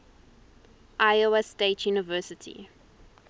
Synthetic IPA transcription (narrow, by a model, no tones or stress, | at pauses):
ʔaɪoɛsteɪtʰjuːnɪvɜːˑsɪtʰḭ